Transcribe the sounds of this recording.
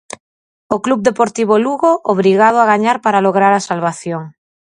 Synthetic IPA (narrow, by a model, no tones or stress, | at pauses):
oklub̚d̪epoɾt̪iβ̞oluɣoʔoβ̞ɾiɣað̞oaɣ̞aɲaɾpaɾaloɣɾaɾasalβaθjoŋ